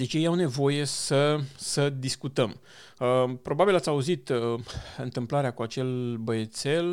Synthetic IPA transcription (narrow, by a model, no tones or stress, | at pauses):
d̪e̞t͡ʃʲjejawne̞vo̞je̞səsəd̪iskut̪əm | pɾo̞babilat̪sʲauzit̪ | ɨnt̪ɨmplaɾeakuat͡ʃe̞lbəjet̪se̞l